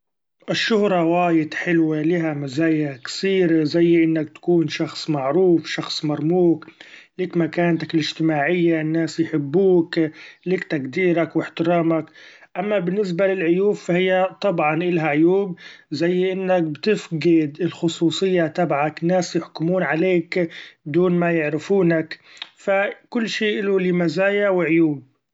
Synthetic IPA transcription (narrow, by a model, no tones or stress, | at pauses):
ʔɪʃːʊhɾˤɑwaːjɪd̪ħɪlwalɪɦamazaːjaksiːɾazajːʔɪnːak̚t̪ḁkuːnʃɑxsˤmaʕɾuːfʃɑxsˤmɑɾˤmuːkliːkmakaːnt̪akɪlɪʒt̪ɪmaːʕɪjːaʔɪnːaːsjħɪbːuːkliːkt̪aɡd̪iːɾakwɪħt̪ɪɾɑːmakʔamːabɪnːɪs̬balɪlʕʊjuːbfahɪjːat̪ˤɑbʕɑnʔɪlɦaʕʊjuːbzajːʔɪnːak̚bt̪ɪfɡɪd̪ɪlxʊsˤuːsˤɨjːat̪abʕakɪnːaːsjɪħkʊmuːnʕaleːkbɪd̪uːnmajɪʕɾɪfuːnakfakʊlːʃiːʔɪlulɪmazaːjawɪʕʊjuːb̚